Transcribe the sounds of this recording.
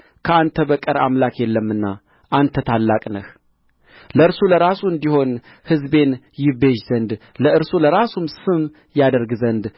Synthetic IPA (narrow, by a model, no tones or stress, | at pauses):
kʰəant̪ʰəbəkʼəɾa̰mlakjɛlːəmːɨnːa̰ | ʔant̪ʰət̪ʰalːakʼnəh | ləɨɾsuləɾasuɨnd̪iho̞n | hɨzbe̞n | jɪβe̞ʒz̥ənd̪ | ləɨɾsuləɾasumsɨm | jad̪əɾɡzənd̪